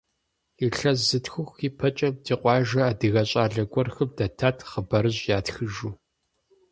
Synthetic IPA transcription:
iɬɐzɨtxʊxʷiːpʰɐt͡ʃʼɐb̚dʰiːqʷʼɑːʒɐaːdɨɣɐɕʼaːɮɐɡʷʼɔrxɨm̚dɐtʰaːtʰχəbɐɾɨʑjaːtxɨʒuː

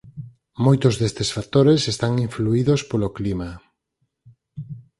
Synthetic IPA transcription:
mojt̪ozðest̪esfak̚t̪oɾesest̪aŋiɱfluiðospoloklima

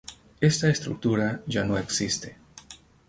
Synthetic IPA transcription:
e̞st̪aest̪ɾṵk̚t̪uɾaʝano̞e̞ksist̪e̞

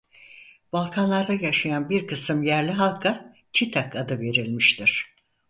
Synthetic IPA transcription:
b̥alˠkʰanlˠaɾd̪ajaʃajanbiɾkʰɯsɯmjæɾlʲiɦalˠkʰa | t͡ʃʰit̪ʰakad̪ɯve̞ɾilʲmiʃt̪ʰiɾ̥

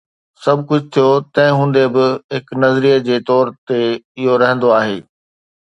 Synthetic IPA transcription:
sɐbʱkʊd͡ʑʱt̪ʰijot̪ɐ̃ɦɪ̃ɦũːn̆d̪ebɪɦɪknɐzɾiːəd͡ʑeːt̪ɔːɾt̪eɪɦoɾɐɦə̃nd̪oaːɦḛː

